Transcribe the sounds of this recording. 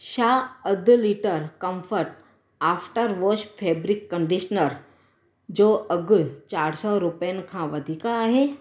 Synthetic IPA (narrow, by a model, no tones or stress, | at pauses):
ʃaːəd̪liːʈəɾkɐ̃mfʰəɾʈ | aːpʰʈəɾʋoːʃpʰeːbɾɪkːə̃ɳɖiʃnəɾ | d͡ʒoːɐɡt͡ʃaːɾsɔɾʊpəjənkʰãːʋɐd̪ʱiːkaːɦeː